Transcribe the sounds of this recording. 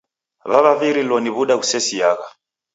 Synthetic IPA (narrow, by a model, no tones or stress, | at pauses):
βaβaviɾilɔniβuɗaɣusɛsiaɣa